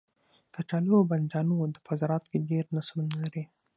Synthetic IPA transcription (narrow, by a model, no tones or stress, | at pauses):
kat͡ʃɑlioband͡ʒɑnud̪əpazɾɑt̪keɖeɾnaslnalaɾi